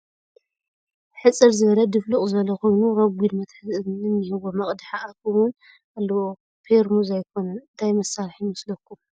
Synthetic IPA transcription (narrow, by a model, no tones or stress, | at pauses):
ħɨt͡sʼɨɾzɨβɐlɐd̪ɨflukʼzɨβɐlɐkʰo̞jnuɾɐɡʷid̪mɐt̪ħɨzʼɨɨnːɨhɨβomɐχʼd̪ħaʔakuwʊn | ʔalːɐwo | pʰeɾmuzajkʰonɐnt̪ʰajmɐsːalħjɪmɐslɐkːum